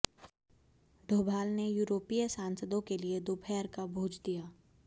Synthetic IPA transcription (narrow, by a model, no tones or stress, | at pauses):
ɖʱoːbʱaːlnejuːɾoːpijəsãːnsəd̪õkelied̪oːpʰɛːɾkabʱoːd͡ʒd̪ijaː